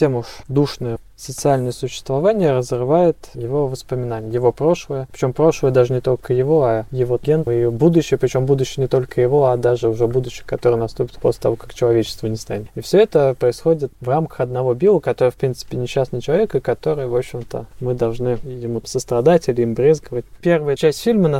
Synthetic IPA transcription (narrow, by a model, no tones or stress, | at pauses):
tʲemuʂd̪uʂnəjə | sət̪sɨalʲnəjəsʊɕːɪ̥st̪vɐvanʲɪjəɾəzrɨvajɪt̪jɪvo̞vəspəmʲɪnanʲɪjəjɪvo̞pɾo̞ʂlˠəjəpɾʲɪ̥t͡ɕʲo̞mpɾo̞ʂlˠəjəd̪aʐɨnʲɪt̪o̞lʲkəjɪvo̞ɐjɪvo̞ɡʲenibud̪ʊɕːɪjəpɾʲɪt͡ɕo̞mbud̪ʊɕːɪjənʲɪt̪o̞lʲkəjɪvo̞ad̪aʐɨʊʐɛbud̪ʊɕːɪjkɐt̪o̞ɾɨjnɐst̪upʲɪt̪po̰slʲɪt̪ɐvo̞kakt͡ɕɪlˠɐvʲet͡ɕɪ̥st̪vənʲɪst̪anʲɪt̪ifsʲoɛt̪əpɾəɪsxo̞dʲɪt̪vramkə̥xɐd̪̚nɐvobʲilˠəəkɐt̪oɾəɨəfpɾʲint̪sɨ̥pʲɪnʲɪɕːasnɨt͡ɕɪlˠɐvʲekɨkɐt̪o̞ɾɨjvo̞pɕːɪmt̪ə̰mɨd̪ɐlˠʐnɨjɪmusəst̪ɾɐd̪atʲilʲɪimbɾʲezɡəvətʲpʲervɨjət͡ɕæsʲtʲfʲilʲmən